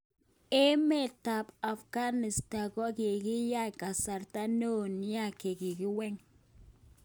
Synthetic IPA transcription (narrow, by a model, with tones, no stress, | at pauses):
e˦me˦ta˨pa˨fɡa˦nɪ˨sta˨kɔ˦kɪ˨kɪ˦ja˦ka˨sa˨ɾta˦no˦n˦a˦˨ke˨kɪ˨kɪ˦wɛ˦ŋ